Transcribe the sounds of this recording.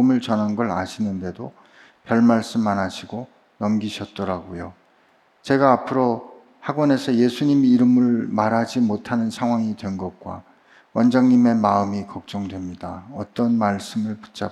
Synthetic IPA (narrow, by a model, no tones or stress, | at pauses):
mɯɭt͡ɕʌnɦanɡʌɾaɕʰinɯnde̞do | pjʌɭmaɭs͈ɯmːanaɕʰiɡo | nʌmɡiɕʰʌt̚t͈ʌɾaɡojo | t͡ɕe̞ɡaːpʰɯɾo | haɡwʌne̞sʰʌje̞sʰuɲimiɾɯmɯɭmaɾɦad͡ʑimotʰanɯnsʰaŋɦwaŋidwe̞nɡʌk̚k͈wa̰ | wʌnd͡ʑaŋɲime̞maɯmikʌk̚t͡ɕ͈ʌŋdwe̞mɲidaʌt͈ʌnmaɭs͈ɯmɯɭpu̥t͡ɕ͈a